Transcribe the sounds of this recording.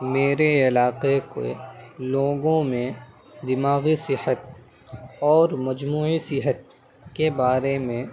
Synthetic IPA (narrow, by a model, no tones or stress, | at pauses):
meːɾeɪlaːqeko̰loːɡõmẽ | d̪ɪmaːɣisɪhət̪̚ | ɔːɾmɐd͡ʒmuːisɪɦət̪̚ | kebaːɾemẽ